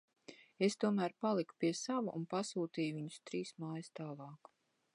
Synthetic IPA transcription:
est̪uɔmæːɾpalˠiku̥piɛsavuʔṵnpasuːt̪iːjuviɲu̥st̪ɾiːsmaːjst̪aːlˠɑːk

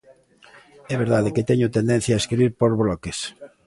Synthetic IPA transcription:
ɛβeɾðaðeket̪ɛɲʊt̪ẽnd̪ẽn̟θjaeskɾiβiɾpoɾβlɔkes

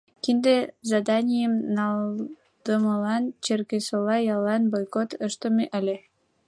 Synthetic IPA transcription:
kind̪ezɑd̪ɑnʲijəmnɑl | d̪̥əməlɑnt͡ɕerkesolɑjɑlɑnbojkot̪əʃt̪ə̆meʔə̆lʲe

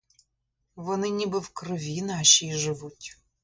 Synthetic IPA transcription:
vɔnɨnʲibɨfkrɨvʲinaɕijʐɨvutʲ

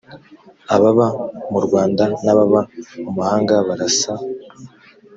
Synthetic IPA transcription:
aβaβamuɾɡwaːndanaβaβamumuhaːŋɡaβaɾasa

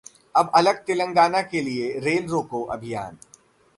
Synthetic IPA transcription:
ɐbɐləɡ̚t̪ɪlə̃ŋɡaːnakelieɾeːlɾoːkoʔɐ̰bʱija̰ːn

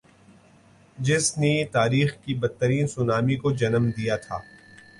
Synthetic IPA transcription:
d͡ʒɪsnet̪aːɾiːxkibɐt̪ːəɾiːnsʊnaːmikod͡ʒɐnəmd̪ijat̪ʰa̰ː

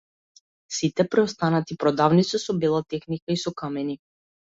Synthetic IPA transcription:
sit̪ɛpɾɛɔst̪anat̪ipɾɔd̪avnit̪sɛsɔbɛlˠat̪ɛxnikaisɔkamɛni

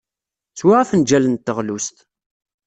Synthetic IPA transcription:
t͡swaʁafənd͡ʒælənt̪ːəʁlust̪

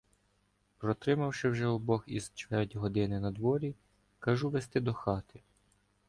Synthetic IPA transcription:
pɾɔt̪ɾɪmɐwʃɪwʒɛɔbɔɦḭzt͡ʃʋɛrʲtʲiɦɔd̪ɪnɪnɐd̪ʋɔɾʲi | kɐʒuʋest̪ɪd̪ɔxɑt̪ɪ

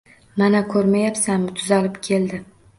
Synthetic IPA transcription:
manakʰɵɾmajapsamʊt̪ʰʊzalɪpkʲʰe̞ld̪ɪ

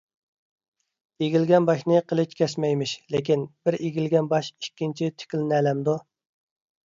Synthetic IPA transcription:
eɡʲilɡʲɛnbɑʃnɨqʰəlˠɪt͡ʃkʲʰɛsmɛjmɪʃlekʲinbɪɾeɡʲilɡʲɛnbɑʃikʲːint͡ʃʰit̪ʰɪ̥kʲilnɛːlɛmd̪u

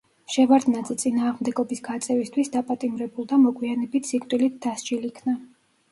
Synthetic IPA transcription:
ʃɛvaɾd̪nad̪zɛt̪sʼinaːʁmd̪ɛɡɔbisɡat̪sʼɛvist̪ʰwisd̪apʼat̪ʼimɾɛbulˠd̪amɔɡwianɛbit̪ʰsikʼt̪ʼilit̪̚ʰd̪̥asd͡ʒilikʰna

